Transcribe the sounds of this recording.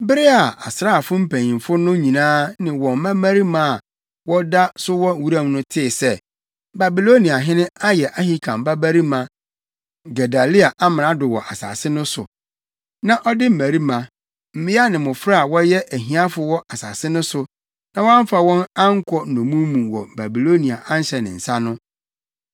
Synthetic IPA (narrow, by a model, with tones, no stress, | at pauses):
bɪ˦ɾɪ˦a˨a˨sɾa˦a˨fʊ˦m̩˦pʰæ̃˨ɲĩ˨fʊ˦nʊ̃˦ɲĩ˨nãː˦nɪ̃˨wɔ̃˨m˦mã˦mæ˦ɾi˦mã˦˨a˨ | wɔ˦da˦sʊ˦wɔ˦˨wu˦ɾã˦mnʊ̃˦tʰɪː˦˨sɛ˦˨ | ba˨bi˨lo˦nĩ˨a˨ɦɪ̃˦nɪ̃˦a˦jɛ˨ʔa˦hi˦kʰã˨m˨ba˦bæ˦ɾi˦mã˨ | ɡɛ˨da˨li˦a˨ʔa˦mɪ̃˨nã˨dʊ˨wɔ̰˨ʔa˨sa̰ː˨sɪ˦nʊ̃˦sʊ̰˨ | nã˨ʔɔ˦dɪ˦m̩˨mæ˨ɾi˦mã˨ | m̩˨mɪ̃˦a˦nɪ̃˨mʊ̃˨fɾa˦a˨wɔ˦jɛ˦ʔæ˨ɦĩ˨˦a˦fʊ˦wɔ˦ʔa˨saː˨sɪ˦nʊ̃˦sʊ˨ | nã˨˦wã˦m̩˦fa˨wɔ̃˦na˦ŋ̩˦kʰɔ˦˨nʊ̃˨mũ˦mũ˨wɔ˨ba˨bi˨lo˦nĩ˨a˨ʔã˦n˦ɕɛ˨nɪ̰̃˨n̩˨sa˦nʊ̃˦